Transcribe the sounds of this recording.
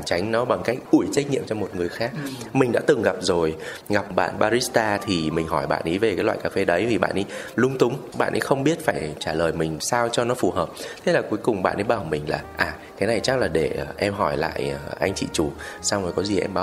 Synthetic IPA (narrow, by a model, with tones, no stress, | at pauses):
t͡ɕa˨˦jŋ̟nɔ˨˦ɓa˨˩ŋka˦˥jk̚ʔu˧˩əjt͡ɕa˦˥k̟̚ɲḭ˧˨əmt͡ɕɔ˧mo˨˩t̚ŋɨ˨˩əjxaː˦˥k̚mï˨˩ŋ̟ɗa̰ː˧˥t̪ɨ˨˩ŋɣa˨˩p̚zo˨˩j | ɣa˨˩p̚ɓa̰ː˧˨nɓaː˧ɾi˦˥st̪aː˧t̪ʰi˨˩mï˨˩ŋ̟ɦɔ˧˩jɓa̰ː˧˨nʔi˨˦vəe˨˩kaː˨˦jlwa̰ː˧˨jkaː˧fe˧ɗə˨˦jvi˨˩ɓa̰ː˧˨nʔi˨˦lʊ˧ŋ͡mt̪ʊ˨˦ŋ͡mɓa̰ː˧˨nʔḭ˨˦jxə˧wŋ͡mɓi˦˥ət̚faː˧˩jt͡ɕaː˧˩ləː˨˩jmï˨˩ŋ̟saː˧wt͡ɕɔ˧nɔ˨˦fu˨˩həː˨˩p̚t̪ʰe˨˦laː˨˩ku˨˦jkʊ˨˩ŋ͡mɓa̰ː˧˨nʔi˨˦jɓaː˧˩mï˨˩ŋ̟laː˨˩ʔaː˨˩ | kaː˨˦na˨˩jt͡ɕa˦˥k̚laː˨˩ɗe˧˩˨ʔɛ˧mɦɔ˧˩jla̰ː˧˨jəː˨˩ʔa˧jŋ̟t͡ɕḭ˧˨t͡ɕu˧˩sa˧wo˨˩jkɔ˨˦zi˨˩ʔɛ̰˧mɓaː˨˦